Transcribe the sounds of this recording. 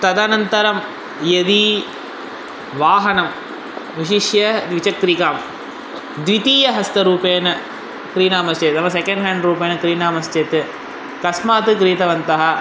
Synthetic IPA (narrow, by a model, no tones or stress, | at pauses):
t̪ɐd̪anɐnt̪ɐɾɐm | jɐd̪i | ʋaːɦɐnɐm | ʋiʃiʂjɐd̪ʋit͡ʃɐk̚t̪ɾikaːm | d̪ʋit̪iːjɐɦɐst̪ɐɾuːpeːnɐ | kɾiːnaːmɐst͡ʃet̪nɐmːɐsɛkɐ̃ɳɖɦaːɳɖɾuːpeːnɐkɾiːnaːmɐst͡ʃɐt̪ɯ | kɐsmaːt̪ɨkɾiːt̪ɐʋɐnt̪ɐɦɐ